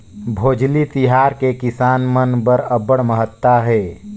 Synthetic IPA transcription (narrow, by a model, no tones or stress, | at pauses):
bʱoːd͡ʒlit̪ɪɦaːɾkekɪsaːnmənbəɾəbəɽməɦət̪ːaɦɛː